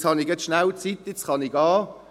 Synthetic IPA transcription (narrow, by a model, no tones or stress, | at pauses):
t͡shɑnɪɡɛt͡sʃnawt͡sit̪ːjɪt͡sχɑnɪɡɑː